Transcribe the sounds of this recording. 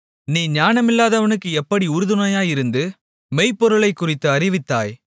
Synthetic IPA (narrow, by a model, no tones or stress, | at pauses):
niːɲaːnɐmɪlːaːðɐʋɐnɯkːɯɛpːɐɽiʊɾɯðɯnɐjaːɪɾɯnd̪ɯ | mɛɪpːɔɾɯɭɐɪkːʊrɪt̪ːɯɐɾɪʋɪt̪ːa̰ːj